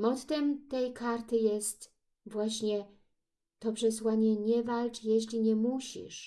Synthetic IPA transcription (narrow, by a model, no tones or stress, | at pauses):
mɔt̪t̪ɛmt̪ɛjkʰaɾt̪ɘjɛst̪ | vwaɕɲɛ | t̪ɔpʂɛswaɲɛɲɛvalt͡ʂjɛɕlʲiɲɛmuɕḭʂ